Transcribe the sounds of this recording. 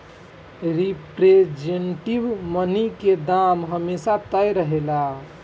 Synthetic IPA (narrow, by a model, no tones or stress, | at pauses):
ɾipɾed͡ʒeɳʈibməniked̪amɦəmesat̪əjɾəɦela